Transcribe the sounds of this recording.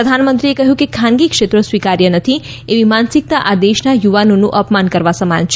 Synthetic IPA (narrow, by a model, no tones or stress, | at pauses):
əd̪ʱanmənt̪ɾiekəɦjũkekʰãnɡikʂet̪ɾəsʋikaɾjənət̪ʰi | eʋimansik̚t̪aʔad̪eʃnajuʋanonũʔəpmankəɾʋasəma̰nt͡ʃʰ